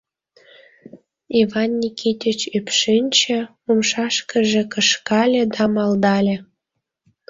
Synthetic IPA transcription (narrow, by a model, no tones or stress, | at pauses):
ivɑnːʲikʰit̪ʲət͡ɕypʃinʲt͡ɕĕ | umʃɑʃkə̆ʒĕkəʃkɑlʲĕd̪ɑmɑld̪ɑlʲĕ